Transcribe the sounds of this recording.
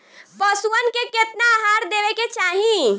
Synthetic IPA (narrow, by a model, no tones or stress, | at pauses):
pəsuənkeket̪naɦaɾd̪ebeket͡ʃaːɦĩ